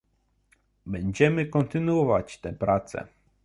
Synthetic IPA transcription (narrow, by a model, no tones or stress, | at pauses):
bɛɲd͡ʑɛmɘkɔnt̪ɘnwɔvat͡ɕt̪ɛpɾat̪sɛ̰